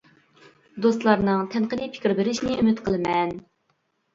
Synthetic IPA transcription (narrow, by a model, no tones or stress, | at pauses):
d̪ost̪lˠɑɾnɨŋt̪ʰɛnqəlɨpʰɪ̥kʲɪɾbɪɾɪʃnɪymɪt̪qʰəlˠɨmɛn